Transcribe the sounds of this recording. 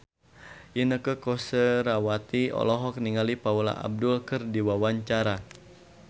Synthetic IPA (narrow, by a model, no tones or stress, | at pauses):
jinəkəkɔsəɾawat̪iɔ̰lɔɦɔk̚niŋalipaula̰ʔa̰b̚dulkɨrdiwawaɲt͡ʃaɾa